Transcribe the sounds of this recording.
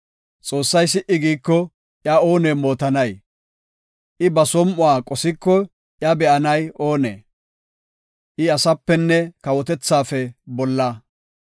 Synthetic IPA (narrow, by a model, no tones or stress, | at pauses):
t͡sʼo̞ːsːɐjsɪʔɪɡiːkːɔ | ʔjɐo̞ːneːmo̞ːt̪ɐnɐj | ʔɪbɐsɔmʔʊaːkʼɔsɪkːɔ | ʔjɐbɛʔɐnɐjoːnḛː | ʔɪɐsɐpːɛnːɛkɐwɔt̪ɛt͡sːaːfɛbɔlːɐ